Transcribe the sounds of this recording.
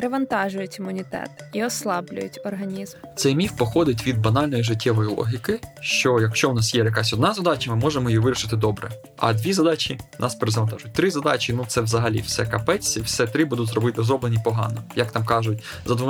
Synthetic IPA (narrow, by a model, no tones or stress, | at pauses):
pɾɪʋɐnt̪ɑʒʊjʊtʲimʊnʲit̪ɛ̰t̪iɔslˠɑblʲʊ̰jʊ̰tʲɔrɦɐnʲizmt̪sɛjmʲiwpɔxɔd̪ɪt̬ʲʋʲid̪̚bɐnɑlʲnɔjiʐɪtʲːɛʋɔjilˠɔ̰ɦʲikɪʃt͡ʃɔjɐkʃt͡ʃɔwnɑsjɛjɐk̬asʲɔd̪nɑzɐd̪ɑt͡ʃɐmɪmɔʒemɔjiʋɪɾʲiʃɪt̪ɪd̪ɔbɾɛ̰ | ɐ̰d̪ʋʲizɐd̪ɑt͡ʃʲinʔɑ̰speɾezɐʋɐnt̪ɑʒʊt̚ʲt̪ɾɪzɐd̪ɑt͡ʃinut̪sɛwzɐɦɐlʲḭwsɛkɐpɛt͡sʲːiwsɛt̪ɾɪbud̪ʊtʲzrɔbɪt̪ɪzɾɔblenʲipɔɦɑ̰nɔjɐkt̪ɑmkɑʒʊtʲ | zɐd̪ʋʊ